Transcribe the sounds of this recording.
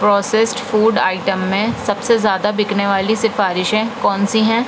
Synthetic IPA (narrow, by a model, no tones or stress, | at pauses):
pɾɔːsesʈfuːɖaːɪʈəmːẽsɐbsezjaːd̪abɪkneʋaːlisɪfaːɾɪʃɛ̃kɔːnsiɦɛ̃ː